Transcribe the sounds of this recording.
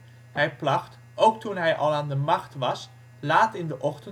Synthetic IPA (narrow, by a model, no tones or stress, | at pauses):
ɦɛjplɑχt | ʔowk̚tunɦɛjʔɑ̰lˠaːndəmɑχtʋɑs | laːtɪndəʔɔχtən